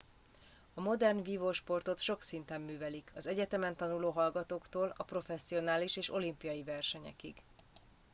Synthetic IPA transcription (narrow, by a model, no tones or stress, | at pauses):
ɒmo̞d̪ɛrnviːvoːʃpo̞rt̪o̞t̪ʃo̞ksint̪ɛmːyːvɛlikʰɒzɛɟɛt̪ɛmɛnt̪ɒnuloːɦɒlɡɒt̪oːkt̪oːlɒpro̞fɛsːio̞naːliʃeːʃo̞limpijɒjivɛrʃɛɲɛ̰kḭɡ